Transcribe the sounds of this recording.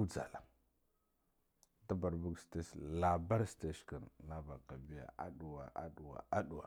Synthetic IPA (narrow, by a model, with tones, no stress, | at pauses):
u˦d͡za̰˨la˨ | da˦ba˨ɾbu˦ɡste˦sla˨ba˦ɾste˦ʃka˨nna˦ba˨ka˨bi˦ja̰˨a̰˦˨ɗu˨wa˨ʔa̰˦ɗu˨wa̰˨a˦ɗu˨wa̰˨